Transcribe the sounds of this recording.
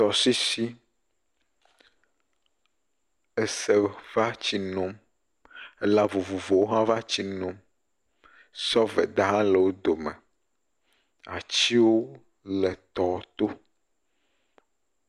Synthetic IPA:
t̪ɔ˨si˦si˦ | e˦se˦va˦t͡ɕi˨nɔ̃˨m | e˦la˦vo˨vo˨vo˨wo˦ɦã˦va˦t͡ɕi˦nɔ̃˨m | sɔ˦vɛ̰˨d̪a˦ɦã˦le˨wo˦d̪o˨mɛ̰̃˨ | a̰˨t͡ɕi˦wo˦ | lɛ˨t̪ɔ˨˦t̪o˦

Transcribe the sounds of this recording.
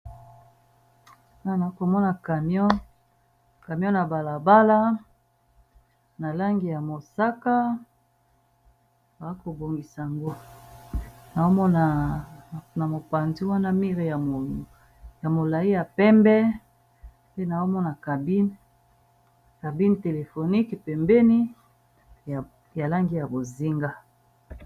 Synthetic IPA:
a˦˨na˨i˦ko˨mɔ˦na˨ka˨mjɔ˦ | ka˨m˦ɔ̃˦na˨ba˨la˨ba˦la˦ | na˨la˦ŋɡi˨ja˨mo˨sa˦ka˦ | ba˨a˦ko˨bo˨ŋɡi˨sa˨a˨ŋɡo˦ | na˨o˦mɔ˦na˨ | na˨mo˨pa˨nzi˦wa˦na˦mi˦ʁi˨ja˨ | ja˨mo˨la˨i˦ja˨pɛ˦mbɛ˦ | pe˦na˨o˦mɔ˦na˨ka˨bi˦n | ka˨bi˦n˨te˨le˨fo˨ni˦kpɛ˨mbɛ˦ni˦˨ | ja˨la˦ŋɡi˦ja˨bo˨zi˦ŋɡa˦

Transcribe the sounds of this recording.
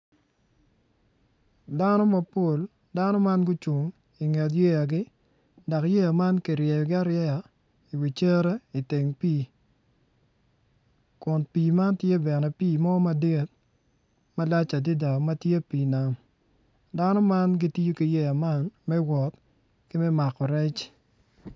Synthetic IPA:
da˦no˦ma˦po˨l | da˦no˦ma˦nɡʊ˦t͡ʃu˨ŋ | i˨ŋe˨t̬je˦ja˨ɡɪ˦ | da˨kje˦ja˨ma˦nkɪ˨ɾjɛ˨ɡɪ˦a˦ɾjɛ˦a˨ | i˨wi˨t͡ʃe˦ɾe˦i˨te˨ŋpiː˦ | kʊ˨npiː˨ma˦ntje˦bɛ˨nɛ˨piː˦˨mɔ˦ma˦de˦t̚ | ma˦la˦t͡ʃa˨di˦da˨ma˦tje˦piː˨na˨m | da˦nɔ˦ma˦nɡi˦ti˦jo˦ki˨je˦ja˨ma˦nmɛ˦wɔ˨t̪ | kɪ˦mɛ˦ma˨kɔ˨ɾɛ˦t͡ʃ

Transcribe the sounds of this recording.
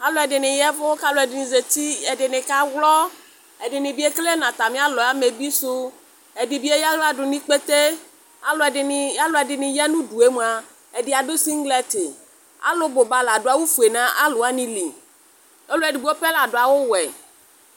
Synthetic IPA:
a˦lo˦ɛ˨ɖɪ˨nɪ̃˨jɛ˦vo˦ka˦lo˨ɛ˨dɪ˨nĩ˨ze˨t̪i˦e˨ɖɪ˨nɪ̃˨ka˦wlɔ˦ | e˨ɖɪ˨nɪ̃˨bi˦e˦kle˦nã˨t̪a˨mĩ˦a˦lɔ˨a˦me˨bi˦su˦ | e˨ɖi˨bi˦e˦ja˦ɣla˦ɖʊ˨nĩ˦k͡pe˦t̪e˦ | a˨lo˨a˦lo˨ɛ˨dɪ˨nɪ̃˨jɛ˦nũ˦ɖu˨e˦m˨a˨ | e˨ɖi˨a˨ɖo˦si˦ŋ˦ɡlɛ˦t̪e˨ | a̰˦lo˦bo˨ba˦la˨ɖo˨˦a˨wo˦fu˨e˨nã˦ʔa˦lo˨a˦nĩ˦li˨ | e˦lo˦ɛ˨di˨bi˦wo˦ɸe˦la˨ɖo˨a˨wo˦wɛ˨

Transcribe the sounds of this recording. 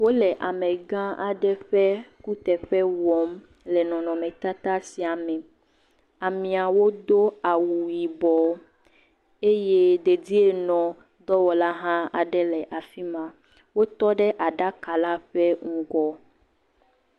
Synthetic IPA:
wo˦lɛ˨ʔa˨mɛ̃˨ɡã˦ʔa˨ɖɛ˦ɸɛ˦ku˦t̪ɛ˨ɸɛ˦wɔ˨m | lɛ˨nɔ̃˨nɔ̃˨mɛ̃˨t̪a˦t̪a˦si˨a˨mɛ˨ | a˨mĩ˨a˨wo˦d̪o˦a˨wu˨ji˨bɔ˨ | e˦je˦d̪e˨di˦e˦nɔ̃˨ | d̪ɔ˦wɔ˨la˦ɦã˦a̰˨ɖɛ˦lɛ˨ʔa˨fi˦mã˨ | wo˦t̪ɔ˦ɖɛ˦ʔa˨ɖa˦ka˨la˦ɸɛ˦ŋ̩˦ɡɔ˦

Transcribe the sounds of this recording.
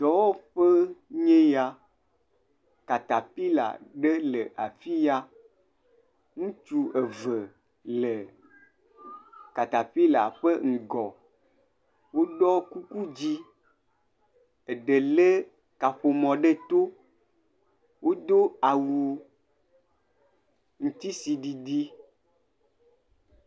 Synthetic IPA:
t̪ɔ˨˦wɔ˦ɸe˦ɲẽ˦ja˨ | ka˨t̪a˨pi˦la̰˨ɖe˦lə˨ʔa˨fi˦ja˦ | ŋũ˦t͡ʃu˦e˨və˨ | le˨ | ka˨t̪a˨ɸi˦la̰˨ɸə˦ŋ̩˨ɡɔ˨ | wo˦ɖɔ˦ku˦ku˦d͡ʑi˦ | e˨ɖe˨le˦ | ka˨ɸo˨mɔ̃˨ɖe˦t̪o˦ | wo˦d̪o˦a˨wu˨ | ŋ̩̃˨t̪i˦si˨ɖi˨ɖi˦

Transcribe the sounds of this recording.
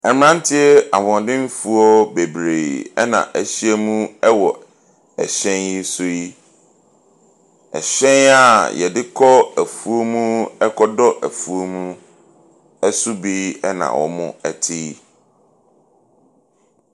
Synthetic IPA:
ɛ˨m˦nã˦n˦tʰɪ˦ɛ˦a˨mɔ̃˨dɪ̃˦n˦fu˦ɔ˦be˨bɾeː˨ɛ̰˦nã̰˨ʔæ˨ɕi˦ɛ˦mũ˦ɛ˦wɔ˨ | ɛ̰˨ɕɛ̃˦nji˦sʊ˦ji˦ | ɛ̰˨ɕɛ̃˦na˦˨jɛ̰˨dɪ˦kʰɔ˦æ˨fu˨o˦mũ˦ɛ˦kʰɔ˦dɔ˦ʔæ˨fu˨o˦mũ˦ | ɛ˦sʊ˦bi˦ɛ˦nã̰˨wɔ̰˨mʊ̰̃˦æ˨tʰɪ˦

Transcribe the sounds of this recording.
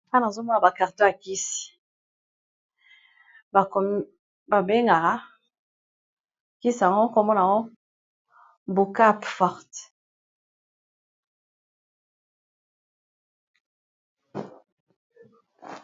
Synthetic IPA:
a˦n˨a˨zo˦mɔ˦a˨ba˨ka˨ʁtɔ˦a˨ki˦si̥˨ | ba˨k | ba˨be˦ŋɡa˨ɣa˨˦ | ki˦si˨a˨ŋo˦ko˦mɔ˦na˨ŋo˦ | bu˨ka˦pfɔ˦ʁt

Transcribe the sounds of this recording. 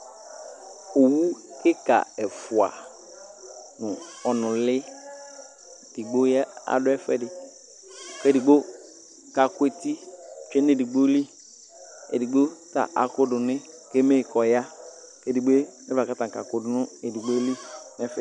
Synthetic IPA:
o˨wu˦kɪ˦ka̰˨ɛ˨fʊ˨a̰˨ | nʊ̃˨ɔ˨nʊ̃˨lɪ˦ | d̥i˨ɡ͡bo˦jɛ˦a̰˨dʊ˦ɛ˦fɛ˨dɪ˨ | ke˨di˨ɡ͡bo˦ | ka˨kʊ˦e˨ti˦˨t͡ʃᶣɛ˦ne˦˨di˨ɡ͡bo˦li˦ | ḛ˨di˨ɡ͡bo˦ta̰˨ʔa̰˨kʊ˦dʊ˨nɪ̃˦ | ke˦me˦˨kɔ˨ja˦ | ke˦di˨ɡ͡be˦ɛ˦va˨ka˦tã˨ka˨kʊ˦dʊ˦nʊ̃˦e˨di˨ɡ͡bo˦li˦nɛ˦fɛ˨

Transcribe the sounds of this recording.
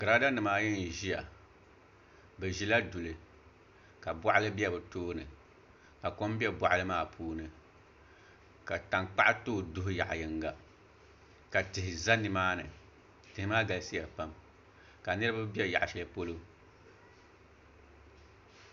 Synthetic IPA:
ɡɨ˨ɾa˦da˦nɨ˨maː˦jɛ˦n˨ʒi˦ja̰˨ | bɛ˨ʒi˦la˦du˨lɨ˨ | ka˨ba˦ʔa˦lɨ˦bi˦ɛ˦bɨ˨toː˦nɨ˨ | ka˨ko˦m˦bi˦ɛ˦ba˨ʔa˦lɨ˦maː˦˨pʰuː˦nɨ˨ | ka˨ta˨ŋk͡pa˦ʔa˦toː˦˨dʊ˦ɦʊ˦ja˨ʔjɛ˨ŋ˦ɡa˨ | ka˨tɨ˨ɦɪ˨za˦nɨ˦maː˦nɨ̰˨ | tɨ˨hɪ˨maː˦ɡa˨lsi˦ja˨pa˦m | ka˨nɨ˦ɾɨ˦ba˦bi˦ɛ˦˨ja̰˨ʔa˨ʃɛ˨lɨ˦po˦lo˦

